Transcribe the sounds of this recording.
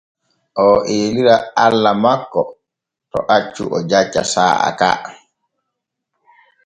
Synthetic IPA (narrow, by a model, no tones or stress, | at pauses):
ʔɔʔeːliɾaalːamakːɔ | tɔʔat͡ʃːṵʔɔd͡ʒat͡ʃːa̰saːa̰ka̰